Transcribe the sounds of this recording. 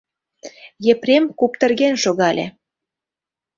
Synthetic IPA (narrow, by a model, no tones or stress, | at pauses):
jeprʲemkupt̪ə̆rɣenʃoɣɑlʲḛ